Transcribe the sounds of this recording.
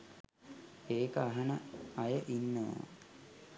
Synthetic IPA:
eːkəaɦɐnəɐjəʔinːə̰

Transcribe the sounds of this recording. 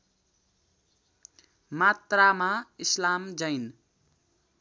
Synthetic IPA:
mat̪ramaislamd͡zʌjn

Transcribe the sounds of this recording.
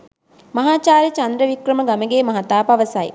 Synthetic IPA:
mɐɦaːt͡ʃaːɾit͡ʃɐnd̪ɾəʋikrəməɡaməɡeːmɐɦɐt̪aːpɐʋəsɐj

